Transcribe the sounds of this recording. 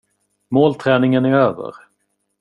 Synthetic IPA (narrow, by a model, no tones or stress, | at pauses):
moːlt̪ʰɾɛːnɪŋənæɾøːvə̰ɾ